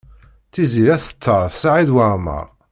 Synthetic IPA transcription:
θiziɾæθə̥t͡sˤːəɾˤθsʕid̪wəmə̰ɾˤ

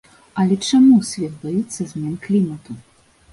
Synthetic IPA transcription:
ɐlʲɛt͡ʂamusʲvʲɛt̪̚bajɛt̪sːɐzʲmʲɛnklʲimɐt̪u

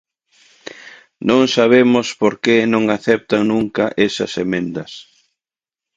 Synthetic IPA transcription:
nõŋsaβ̞emʊspoɾkenõŋaθɛp̚t̪ɐnũŋkɐʔesɐ̰semẽnd̪ɐs

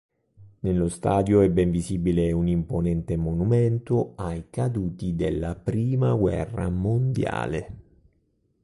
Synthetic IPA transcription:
nelːost̪aːd̪joɛbːɛɱviziːbileunimponɛnt̪emonumɛnt̪oajkad̪uːt̪id̪elːapɾiːmaɡwɛ̰rːa̰mond̪ja̰ːle

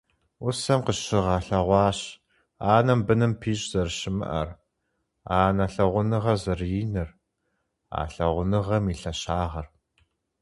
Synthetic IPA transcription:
ʊsɐmqəɕɪʁaːɬɐʁʷɑːɕ | aːnɐmbɨnɨmpʰiːɕʼz̥ɐrɕɪmɨ̰ʔɐ̰r | aːnɐɬɐʁʷʊnɨʁɐzɐrjiːnɨr | a̰ːɬɐʁʷʊnɨʁɐmiːɬɐɕaːʁɐr

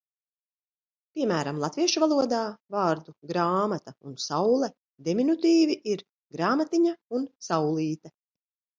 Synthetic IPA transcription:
pʲiɛmæːɾamlˠat̪viɛʃuvalˠuɔd̪aːvaːɾd̪uɡɾaːmat̪aṵnsawlˠɛ | d̪eminut̪iːviʔiɾ | ɡɾaːmat̪iɲaunsawlˠiːt̪ɐ

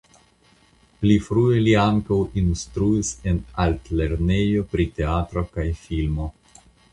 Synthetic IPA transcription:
plifɾue̞liaŋkawinstɾuise̞naltle̞ɾne̞jo̞pɾite̞atɾo̞kajfilmo̞

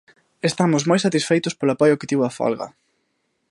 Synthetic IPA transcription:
est̪amʊzmojsat̪isfejt̪ʊspolʊapɔjʊkɪt̪iβafɔ̰lɣɐ̰

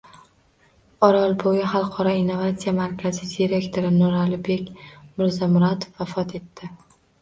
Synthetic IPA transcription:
ɒɾɒlˠbojɪχɑlˠqʰɒɾɒinːovat̪sijamaɾkʲʰazɪd̪iɾe̞kʲt̪ʰoɾɪnʊɾalɪbe̞kʲmʊɾzamʊɾat̪ʰo̥fafɒt̪ʰe̞t̪ʰːɪ

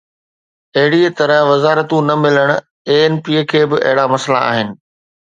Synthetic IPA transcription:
ɐɦɪɽiet̪ɐɾə̃ɦʋɐzaːɾət̪ũnɐmɪləɽ̃ | eːenpikʰeːbɪʔɐ̰ɦɪɽamɐsla̰a̰ːɦɪnɪ̆

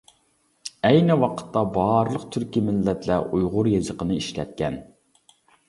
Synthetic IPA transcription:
ɛjnɨwɑqʰə̥t̪ʰːɑbɑɾlˠəqt̪ʰyɾkʲimɪlːɛt̪læʔujʁʊɾjezəqʰənɨiʃlɛ̰t̪̚kʲɛn

